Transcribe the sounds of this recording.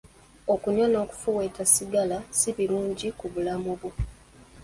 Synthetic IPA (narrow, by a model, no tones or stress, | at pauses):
okuɲwano̞ːku̥fuweːtasiɡalasiβiluːɲɟikuβulamuβwu